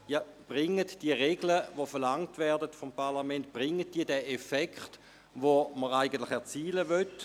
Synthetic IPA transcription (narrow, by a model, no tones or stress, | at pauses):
jɑb̥ʁɪŋːətd̥iəʁeɡləʋofɛɐʁlaŋtvɛɐdətfompʰaʁlamɛntb̥ʁɪŋːət̚d̥iːədɛʔefɛkχt | ʋoməʁaɪɡən̩tlɪχɛɐt͡siːləvøt